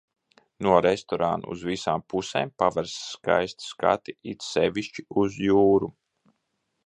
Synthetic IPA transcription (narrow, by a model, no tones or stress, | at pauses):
nuɔɾɛst̪ɔɾa̰nṵṵzvisaːmpusḛːmpavaɾsːka̰jst̪ska̰t̪iit̪ssevʲiʃt͡ʃiuzjuːɾu